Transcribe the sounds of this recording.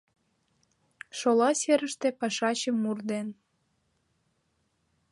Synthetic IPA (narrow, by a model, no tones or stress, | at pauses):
ʃolɑseɾəʃt̪epɑʃɑt͡ɕəmːurd̪en